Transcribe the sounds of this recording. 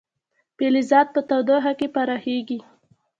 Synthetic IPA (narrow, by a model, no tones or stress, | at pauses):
pelizɑd̪̚pət̪awd̪aɦakepaɾɑxeɡi